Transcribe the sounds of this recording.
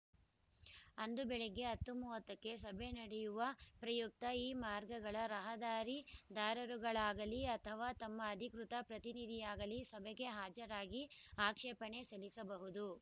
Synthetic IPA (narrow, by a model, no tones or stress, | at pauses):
ɐnd̪ubɛɭeɡe̞ɦɐt̪ːumuːʋɐt̪ːɐkːe̞sɐbʱe̞nɐɽɛjuʋɐpɾɐjuk̚t̪ɐiːmaːɾɡɐɡɐɭɐɾɐɦɐd̪aːɾid̪aːɾɐɾuɡɐɭaːɡɐliɐt̪ʰɐʋaːt̪ɐmːɐːd̪ʱikɾut̪ɐpɾɐt̪inid̪ʱijaːɡɐlisɐbʱɛɡe̞ɦaːd͡ʒɐɾaːɡiaːkʂɛːpɐɳe̞sɐlisɐbɐɦud̪u